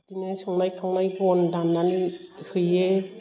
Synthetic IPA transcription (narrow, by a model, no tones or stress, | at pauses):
tinɯijsɔŋnajkʰaŋnajbɔndanːanihɯje